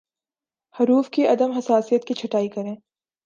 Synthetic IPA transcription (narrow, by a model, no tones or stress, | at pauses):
hɐɾuːfkiʔɐd̪əmɦɐsaːsijət̪̚kit͡ʃʰɐʈaːikɐɾẽː